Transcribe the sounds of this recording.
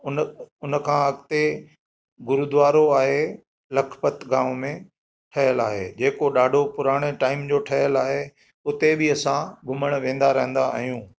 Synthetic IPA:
ʊnʊnəkʰãɐɡt̪e | ɡʊɾud̪ʋaːɾoaːɦe | lɐkʰpət̪ɡaːmmẽ | ʈʰɐɦjəlaːɦḛd͡ʑeːkoɗaːɖʱopʊɾaːɽ̃eʈaːɪmd͡ʑoːʈʰɐɦjəlaːɦe | ʊt̪ebɪɐsãɡʱʊməɽ̃ʋẽːn̆d̪aɾɐɦə̃n̆d̪aa̰ːɦijũː

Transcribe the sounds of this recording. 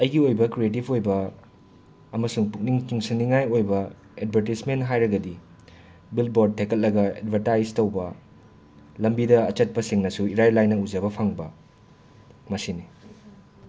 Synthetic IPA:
ɐjɡiojbɐkɾietipʰojbɐ | ɐmɐsuŋpuk̚niŋkiŋsɐniŋajojbɐ | ed̚bʱɐɾtismenɦajɾɐɡɐdi | bilboɾd̚tʰːekɐl̚lɐɡɐḛdbʱɐɾtajstɐwbɐ | lɐmbidɐːt͡ʃɐt̚pɐsiŋnɐsuiɾajlajnɐud͡ʒɐbɐpʰaŋbɐ | mɐsini

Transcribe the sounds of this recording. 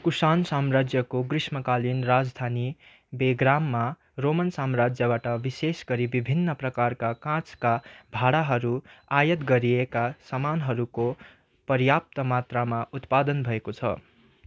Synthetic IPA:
kusansamrad͡zjʌkoɡrismʌkalinrad͡zd̪ʱani | beɡɾamːa | romʌnsamrad͡zjʌbaʈʌbisesɡʌɾibibʱinːʌprʌkarkakãt͡skabʱaɽaɦʌɾuajʌt̪ɡʌɾiekasʌmanɦʌɾuko | pʌrjap̚t̪ʌmat̪ramaut̪pad̪ʌnbʱʌekot͡sʰʌ̰

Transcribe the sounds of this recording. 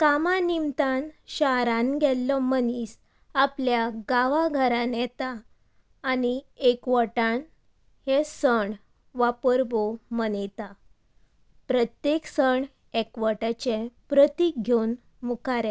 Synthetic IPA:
kamãnimt̪anɕaɾãnɡɛlːɔmənis | apljaɡaʋaɡʱəɾanjɛt̪aː | niekʋəʈãn | hesəɳ | ʋapəɾbomənet̪a | pɾət̪jeksəɳ | ekʋəʈat͡ɕepɾət̪iɡʱjon | mukʰaɾɛ̃

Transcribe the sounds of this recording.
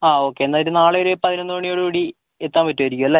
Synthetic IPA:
aːo̞ːkːe̞ːnːaðiɾɨnaːɭɨʋɐɾepɐðinonːɨoːɳːijo̞ːɽɨkuːɽi | et̪ːaːmpɐtːumʋɐɾikʲːumɐlːe

